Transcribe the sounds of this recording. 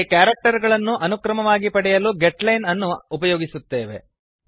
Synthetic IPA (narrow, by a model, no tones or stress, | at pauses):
kjaːɾɐk̚ʈɐɾɡɐɭɐnːuʔɐnukɾɐmɐʋaːɡipɐɽɛjɐluɡeʈlɐjnɐnːuːpɐjoːɡisut̪ːeːʋe̞̰